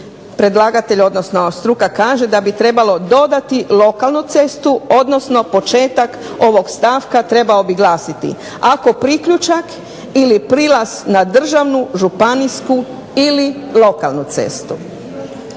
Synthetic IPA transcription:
pɾe̞d̪lˠaɡat̪e̞ʎo̞d̪no̞snost̪ɾukakaːʒe̞d̪abit̪ɾe̞balo̞d̪o̞d̪at̪ilo̞kalˠnut̪se̞st̪uo̞d̪no̞sno̞po̞t͡ʃe̞ːt̪ak | o̞ʋo̞ɡst̪aːʋkat̪ɾe̞baobiɡlˠaːsit̪ḭ | ako̞pɾikʎut͡ʃak | ilipɾilˠasnad̪r̩ʒaʋnuʒupanisku | ili | lo̞ka̰lˠnut̪sḛst̪u

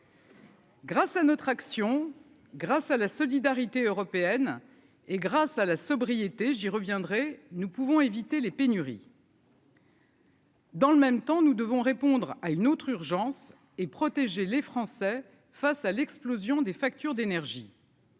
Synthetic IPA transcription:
ɡʁasanɔt̪χaksjɔ̃ | ɡʁasalasɔlid̪aʁit̪eøʁɔpeɛn | eɡʁasalasɔbʁijet̪eʒiʁəvjɛ̃d̪ʁɛnupuvɔ̃evit̪elepenyʁḭ | d̪ɑ̃ləmɛmt̪ɑ̃nud̪əvɔ̃ʁepɔ̃d̪ʁaynot̪χyʁʒɑ̃s | epχɔt̪eʒelefχɑ̃sɛ | fasalɛksplozjɔ̃d̪efak̚t̪yʁd̪enɛʁʒi

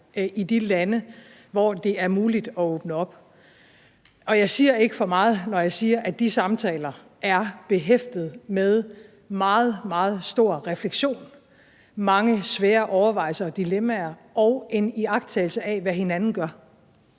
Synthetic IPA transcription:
id̥ilænə | ʋɒd̥e̝æɐmuːlid̥ɒ̽ɔːb̥nəɒ̽b̥ | ɒ̽jɑ̈ɪsiːɐe̝ɡ̥əfɒ̽mɑ̈ːð̩ˠnɒjɑ̈ɪsiːɐʔæd̥isɑ̈mt͡sʰɛ̰ːlɐ | æɐb̥e̝ɦefd̥ð̞̩ˠmeð̞ˠ | mɑ̈ːð̞̩ˠmɑ̈ːð̞̩ˠsd̥o̝ɐ̰ʁɛfleɡ̥ɕo̝̰ːn | mɑ̈ŋəsʋɛːɐʔɒʊɐʋɑ̈ɪ̰lsɐd̥ilemæɐʔɒ̽ʊʔe̝niɑ̈ɡ̥d̥t͡sʰɛːɪl̩səɛʋæɦe̝nænn̩ɡ̥ɶɐ

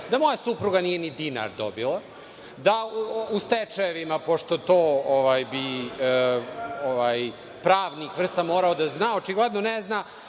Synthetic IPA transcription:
d̪amo̞jasupɾuɡaniːjenid̪ina̰ɾd̪o̰bila | d̪aust̪et͡ʂaeʋimapoʂt̪o̞t̪oːoʋajbi | oʋaj | pɾaːʋnikʋr̩st̪amo̞ːɾaod̪aznaːot͡ʂiɡled̪nonezna

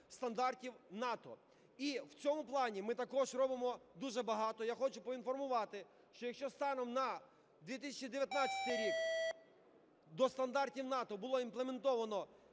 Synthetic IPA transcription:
st̪ɐnd̪ɑrtʲiwnɑt̪ɔ̰ | iwt͡sʲɔmʊplˠɑnʲimɪt̪ɐkɔʒrɔbɪmɔd̪uʒɛbɐɦɑt̪ɔjaxɔt͡ʃʊpɔinfɔrmʊʋɑt̪ɪ | ʃt͡ʃɔjɐkʃt͡ʃɔst̪ɑnɔmnɐ | d̪ʋʲit̪̬ɪsʲɐt͡ʃid̪eʋʲjɐt̪nat͡sʲɐ̥t̪ɪjɾʲik | d̪ɔst̪ɐnd̪ɑrtʲiwnɑt̪ɔbʊlˠɔinplˠement̪ɔʋɐnɔ

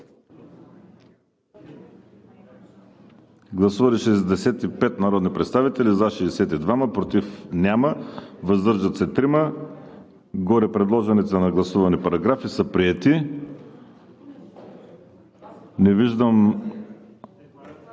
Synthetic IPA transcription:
ɡlˠɐsuvɐliʃɛzd̪ɛsɛt̪ipɛt̪nɐɾɔd̪nipɾɛt̪st̪avit̪ɛlizaʃɛsɛt̪id̪vaməpɾot̪ifnʲaməvəzd̪ɤɾʒət̪sɛt̪ɾimə | ɡɔɾɛpɾɛd̪lˠɔʒɛnɛt̪ənɐɡlˠɐsuvɐnipɐɾɐɡɾafisəpɾiɛt̪i | nɛviʒd̪əm

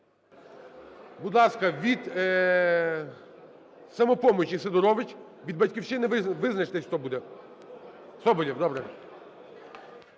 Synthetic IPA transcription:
bud̪lˠaskɐʋʲid̪ | sɐmɔpɔmɔt͡ʃisɐd̪ʊɾɔʋɪt͡ʃʲ | ʋʲid̪bɐtʲkʲifʃɪnɪʋɪʋɪznɐʃt̪ɛsʲt̪ɔbud̪ɛ | sɔbɔlʲiwd̪ɔbɾɛ

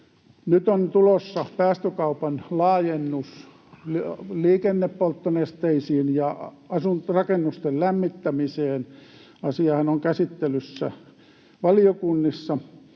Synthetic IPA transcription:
nyt̪ont̪ulosːɑpæːst̪økɑupɑnlɑːjenːus | lliːkenːeppolt̪ːonest̪eisiːnjɑ | ɑsunrɑkenːust̪ellæmːit̪ːæmiseːn | ɑsiɑhɑnoŋkæsit̪ːelysːæ̰ | ʋɑliokunːisːɑ

